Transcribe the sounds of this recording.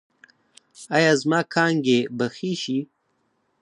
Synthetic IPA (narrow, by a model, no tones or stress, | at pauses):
ajɑːzmɑːkʰɑːŋɡebaxiʃi